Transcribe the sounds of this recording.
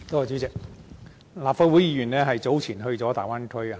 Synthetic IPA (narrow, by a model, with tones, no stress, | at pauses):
t̪oː˥a˨˩t͡ɕy˨˥t͡sɪ˨k̚ | laː˨pfaː˧t̚wu˨˥jiː˨˧jyː˨˩nlɛː˥ɦɐ˨jt͡so˨˥wt͡sʰiː˨˩nɦɵ˧ɥt͡sɔː˨˥t̪a̰ː˨˩jwaː˥nkʰɵ˥˨˧